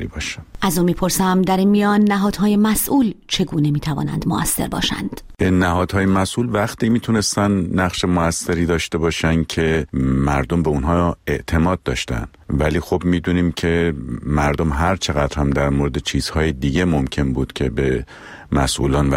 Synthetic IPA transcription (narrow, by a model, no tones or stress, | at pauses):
ɾibɒːʃænʔæzunmiːpʰo̞ɾsæmd̪æɾinmijɒːnːæɦɒːd̪̥hɒːje̞mæsʔuːlt͡ʃʰe̞ɡuːne̞miːt̪ʰævɒ̰ːnæ̰nd̪moʔæsːe̞̰ɾbɒ̰ːʃæ̰nd̪̥nːæɦɒːd̪hɒːjemæsʔuːlvæχt̪iːmiːt̪ʰune̞st̪ænnæχʃe̞moæsːe̞ɾiːd̪ɒːʃt̪e̞bɒːʃæncʰe̞mæɾd̪o̞mbeunɦɒːe̞ʔt̪ʰe̞mɒːd̪̚ːɒːʃt̪æ̰nd̪̥væliːxo̞bmiːd̪uːniːmcʰe̞mæɾd̪o̞mɦæɾt͡ʃʰe̞ɣæd̪ɾhæmd̪æɾmoɾed̪et͡ʃʰiːz̥hɒːjed̪iɟe̞momcʰe̞nbuːd̪̥cʲʰe̞be | mæsʔṵlɒːnvæ